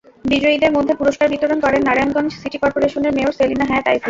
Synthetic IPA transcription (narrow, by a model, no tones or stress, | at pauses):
bid͡ʑoid̪eɾmod̪ʱːepuɾoʃkaɾbit̪oɾonkɔɾenːaɾajonɡɔnd͡ʑsiʈikɔɾpoɾeʃoneɾmeoɾselinaɦajat̪a̰jsi